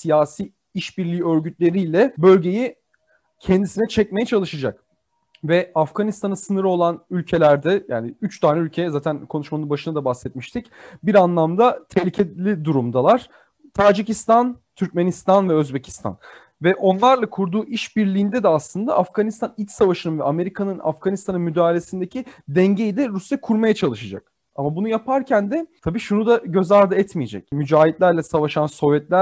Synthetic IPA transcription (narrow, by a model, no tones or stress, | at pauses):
sijaːsiː | iʃbiɾlʲiːø̞ɾɟyt̪lʲe̞ɾijlʲɛbø̞lʲɟe̞ji | cʰɛnd̪isinɛt͡ʃʰɛc̚mejɛt͡ʃʰalˠɯʃad͡ʒak̚ | vɛafɡ̥anist̪ʰanɯnsɯnɯɾo̞lˠanylʲcʰelʲæɾd̪ɛja̰ːnɪyt͡ʃt̪ʰaːnɛylʲcʰejɛzaːt̪ʰænkʰo̞nuʃmanɯbaʃɯnad̪abasɛt̪̚miʃt̪ʰicbiɾanlˠamd̪at̪ʰɛhlʲicʰelʲid̪uɾumd̪alˠaɾ̥ | t̪ʰaːd͡ʒicist̪ant̪ʰyɾc̚menist̪anvɛøzbecʰi̥st̪ʰa̰n | vɛʔo̞nlˠaɾlˠakʰuɾd̪uːʔiʃbiɾlʲiːnd̪ɛd̪ɛaslˠɯnd̪a̰ʔafɡanist̪anilʲt̪ʲsavaʃɯnɯnvɛame̞ɾikʰanɯna̰fɡ̥anist̪ʰanɯnmyd̪aːlʲesind̪ecʰid̪ɛɲɟejid̪ɛɾusjakʰuɾmajat͡ʃʰalˠɯʃad͡ʒa̰k | amabunujapʰaɾcʰænd̪ɛt̪ʰabiːʃunud̪aɟø̞zaɾd̪ɯɛt̪mijed͡ʒɛ̰cmyd͡ʒaːɦit̪lʲæɾlʲɛsavaʃanso̞vjɛt̪lʲæɾ